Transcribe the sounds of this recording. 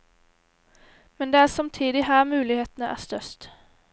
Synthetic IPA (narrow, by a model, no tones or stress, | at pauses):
mɛnd̪eːæːsɑmt̪ʰiːd̪ɪhæːɾmʉːlɪheːt̪nəʔæ̰ːst̪œst̪